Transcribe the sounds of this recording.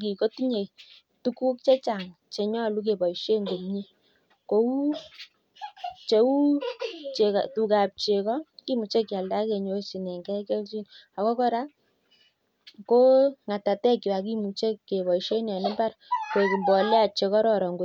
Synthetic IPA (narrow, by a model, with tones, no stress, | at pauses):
ki˨ko˦ti˦ɲe˨ | tu˦ku˦kt͡ʃe˦t͡ʃa˨ŋ | t͡ʃe˨ɲɔ˦˨lu˦k̬e˨bɔ˨i˨ʃe˦ŋɡo˨mɲi˦ | ko˨u˦ | t͡ʃe˨u˦t͡ʃe˨ka˨tu˨ka˨p̚t͡ʃe˨kɔ˦ki˦mu˨t͡ʃe˦kːja˨lda˦ke˨ɲo˨˦si˨nɛ˨ŋɡɛ˦kɛ˦lt͡ʃi˦n | a˨kɔ˦kɔ˦ɾa˦ | ko˦ŋa˨ta˨tɛ˦kːi˨wa˨k̬i˦mu˨t͡ʃe˦kːe˨bɔ˨i˨ʃe˦na˨nɪ˦ba˦ɾkwe˨ki˨mbɔ˨lɛ˦a˨t͡ʃe˨kɔ˦ɾɔ˨ɾɔ˨ŋɡo˨˦t̚